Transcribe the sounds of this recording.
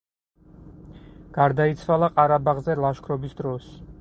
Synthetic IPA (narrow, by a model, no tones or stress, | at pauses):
ɡ̥aɾd̪ait̪sʰwalˠaqʼaɾabaʁzɛlˠaʃkʰɾɔbisd̪ɾɔs